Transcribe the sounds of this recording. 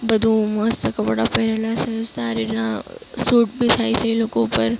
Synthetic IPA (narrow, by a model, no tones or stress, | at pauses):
bəd̪ʱũmʊəsːəkəbəɽapɛɦɾelat͡ʃʰesaɾinãsuːʈbʱit̪ʰait͡ʃʰelokopəɾ